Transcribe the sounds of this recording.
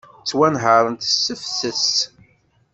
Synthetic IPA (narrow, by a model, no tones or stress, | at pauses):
t͡sːwænɦəɾˤənt̪sːəfθəs